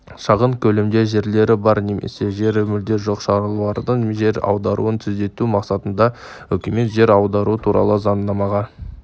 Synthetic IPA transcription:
ʃɑʁəŋkʲʰɵlemd̪e̞ʒe̞ɾle̞ɾɪbɑɾnemʔḛse̞ʒe̞ɾmʏld̪e̞ʒoqʃɑɾəlˠwɑɾd̪əɴʒe̞ɾɑ̰wd̪ɑɾṵənt̪ʰʏzd̪e̞t̪umɑqsɑt̪ənd̪ɑ | wɵkʲeme̞t̪ʒe̞ɾɑwd̪ɑɾuət̪ʰuɾɑ̰lˠəzɑnːɑmɑʁɑ

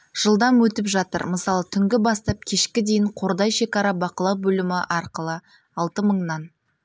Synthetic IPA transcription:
ʒ̥əlˠd̪ɑmwɵt̪ɪpʒɑt̪ə̰ɾməsɑlˠət̪ʰʏŋɡʲɪbɑst̪ɑp̚kʲʰe̞ʃkʲɪd̪ejɪɴqʰo̞ɾd̪ɑjʃe̞kɑɾɑbɑqəlˠɑwbɵlɪmɪʔɑɾqəlˠə | ɑlˠt̪əməɴnɑn

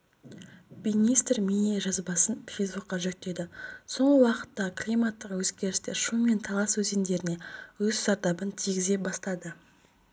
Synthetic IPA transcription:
binijst̪rmineʒɑzbɑsənfejzbuqqːɑʒɵk̚t̪ːe̞d̪ɪso̞ɴʁəwɑqə̥t̪ːɑklʲijmat̪ːəqwɵzɡʲe̞ɾɪst̪eʃume̞nt̪ʰɑlˠɑswɵzend̪e̞ɾɪne̞wɵzʒɑɾt̪ɑbənt̪ʰiɡʲɪze̞bɑst̪ɑd̪ə

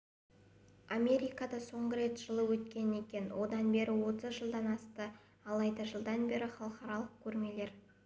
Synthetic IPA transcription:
amʲe̞ɾijkɑd̪ɑso̞ɴʁəɾe̞t̪ʒ̥əlˠəwɵt̪kʲe̞ne̞kʲe̞nwʔo̞d̪ɑnbe̞ɾʔɪwo̞t̪əzʒəlˠd̪ɑnɑst̪ə | ɑlˠɑjd̪ɑʒəlˠd̪ɑnbe̞ɾɪχɑlˠəqɑɾɑlˠəq̚kʲʰɵɾme̞le̞ɾ

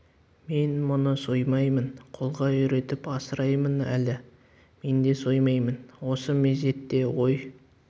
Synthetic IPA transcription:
me̞nmʊnəsojmɑjmənqʰo̞lˠʁɑʏɾe̞t̪ɪpɑsəɾɑjmənæ̰lɪ | me̞nd̪e̞so̞jmɑjmənwo̞səme̞ze̞t̪ːe̞wo̞j

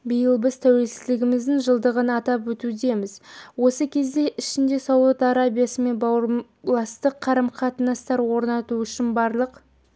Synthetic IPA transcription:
bijəlˠbɪzt̪ʰæwe̞lsɪzlɪɡʲɪmɪzd̪ɪŋʒəlˠd̪əʁənɑt̪ɑpwɵt̪ud̪e̞mɪzwo̞səkʲʰe̞zd̪e̞ʔɪʃɪnd̪e̞sowut̪ɑɾabijasəme̞nbɑwɾ | lˠɑst̪əqʰːɑɾɑmqʰɑt̪ənɑst̪ɑɾwo̞ɾnɑt̪uʏʃɪnbɑɾlˠəq

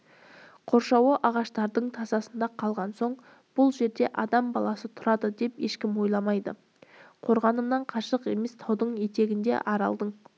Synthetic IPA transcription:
qʰo̞ɾʃɑwəʔɑʁɑʃt̪ɑɾd̪əɴt̪ʰɑzɑsənd̪ɑqʰɑlˠʁɑnso̞ɴ | b̥ʊlˠʒe̞ɾd̪e̞ʔɑd̪ɑmbɑlˠɑsət̪ʰʊɾɑd̪əd̪e̞pje̞ʃkʲɪmwo̞jlˠɑmɑjd̪ə̰ | qʰo̞ɾʁɑnəmnɑɴqʰɑʃəqe̞me̞st̪ʰɑwd̪əɴje̞t̪e̞ɡʲɪnd̪e̞̰ʔɑɾɑ̰lˠd̪əɴ

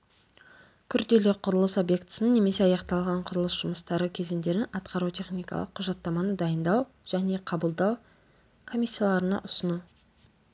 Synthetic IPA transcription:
kʲʰʏɾd̪e̞le̞qʰʊɾəlˠəso̞bje̞kt̪ə̥səne̞me̞se̞ɑjɑqt̪ɑlˠʁɑɴqʰʊɾəlˠəsʒ̥ʊməst̪ɑɾəkʲʰe̞zɪnd̪e̞ɾɪnɑt̪qʰɑɾut̪ʰe̞χnijkɑ̰lˠəqʰːʊʒɑt̪ːɑmɑnəd̪ɑjənd̪ɑw | ʒ̥æne̞qʰɑbəlˠd̪ɑw | kʰo̞mijsʲːijalˠɑɾənɑ̰ʔʊsənu

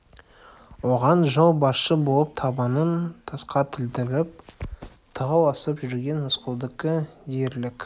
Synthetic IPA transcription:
wo̞ʁɑnʒɑlˠbɑsʃəbolˠəp̚t̪ʰɑbɑnənt̪ʰɑsqɑt̪ʰɪlt̪ɪɾɪp̚ | t̪ʰəʁɑwɑsəpʒʏɾɡʲe̞nmʊsqəlˠd̪əkʲɪje̞ɾlɪkʲ

